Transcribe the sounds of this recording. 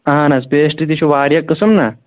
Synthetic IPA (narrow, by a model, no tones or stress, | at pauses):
ɐɦãnɐspeːʂʈit̪iʃuʋaːɾjɐkːɐsumnɐ